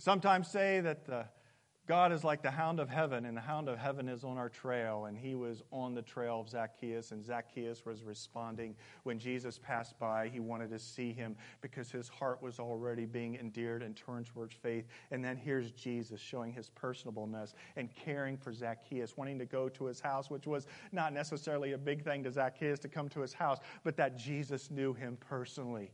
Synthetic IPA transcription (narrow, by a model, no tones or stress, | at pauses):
sʌ̃mtʰãɪ̃mz̥seɪðɨt̪̚ð | ɡ̥ɑɾɨzlaɪk̚ðɨɦãʊ̃ndʌv̥ɦɛvɨ̃nɨ̃nðɨɦãʊ̃ndʌv̥ɦɛvɨ̃nɨzn̩aʊə˞tʰɹ̥eɪlˠə̃niwʌzn̩ðɨtʰɹ̥eɪlˠʌvzækʰiɨsɨ̃nzækʰiɨswʌzɹɨspɑ̃ndɪ̃ŋ | wɨ̃nd͡ʒizɨspʰæsb̥aɪiwɑ̃ɾ̃ɨd̚tʰɨsiɪ̃mb̥ɨkʰʌz̥ɨz̥hɑɹʔwʌzl̩ˠɹɛɾibiɪ̃ŋɨ̃ndɪɹɾɨ̃ntʰɜ˞ɨ̃nswə˞d̥feɪθɨ̃nðɨ̃nɦiɹzd͡ʒizɨsʃoʊɪ̃ŋɨz̥pʰɜ˞snəbl̩ˠnəsɨ̃nkʰɛɹɪ̃ŋfə˞zækʰiɨswɑ̃ɾ̃ɪ̃ŋtɨɡoʊɾəɨz̥haʊswət͡ʃwʌznətⁿnɛsɨsɛɹl̩ˠiɨbɪɡ̚θɪ̃ŋtɨzækʰiɨstʰɨkʰʌ̃mtʰɨɨz̥haʊsb̥ʌt̪̚ðɨt̚d̥ʒ̥izɨsnjʉɪ̃mpʰɜ˞sənl̩ˠi